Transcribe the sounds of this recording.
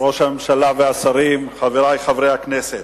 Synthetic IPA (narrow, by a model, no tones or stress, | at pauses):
ʁo̞ʃamemʃalaveasaɾimχaveɾajχavɾejhakneset